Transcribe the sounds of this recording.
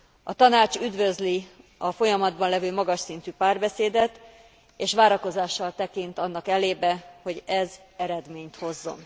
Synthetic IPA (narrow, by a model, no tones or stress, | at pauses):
ɒt̪ɒnaːt͡ʃyd̪vø̞zliɒfo̞jɒmɒd̪bɒnlɛvøːmɒɡɒʃsin̪t̪yːpaːrbɛseːd̪ɛt̪ | eːʃʋaːɾɒko̞zaːʃːɒlt̪ɛkint̪ɒnːɒkɛleːbɛho̞ɟɛz | ɛɾɛd̪meːɲt̪ho̞zːo̞̰n